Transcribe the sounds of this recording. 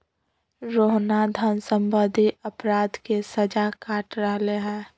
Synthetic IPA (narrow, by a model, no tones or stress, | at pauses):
ɾoːɦnad̪ʱənsə̃mbəd̪ʱiʔəpɾaːd̪kesəd͡ʒakaːʈɾəɦleɦɛ̃ː